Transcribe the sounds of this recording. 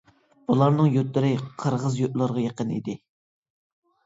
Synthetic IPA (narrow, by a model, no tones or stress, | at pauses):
b̥ulˠɑɾnɨŋjøt̪lɪɾɪqʰəɾʁəzjoʔlˠɑɾʁɑjeqənḭd̪ɪ